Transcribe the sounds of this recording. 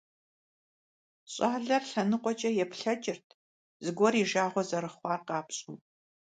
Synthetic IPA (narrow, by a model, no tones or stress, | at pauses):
ɕʼaːɮɐrɬɐnɨqʷʼɔt͡ʃʼɐjɛpɬɐt͡ʃʼɪrtʰ | zɨɡʷɔriːʒaːʁʷɔzɐɾɨχʷɑːrqɑːpɕʼuː